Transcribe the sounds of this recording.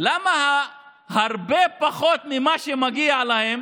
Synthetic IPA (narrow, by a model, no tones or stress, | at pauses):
lamaɦa | hɐɾbepɐxot̪̚mimaʃemɐɡialaɦem